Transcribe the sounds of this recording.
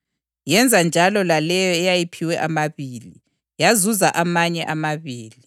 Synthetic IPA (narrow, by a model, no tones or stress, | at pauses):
jɛnd͡zʱand͡ʒʱalɔlalɛjɔɛjajipʰiwɛʔamaβiːli | jazuzaʔamaɲɛʔamaβiːli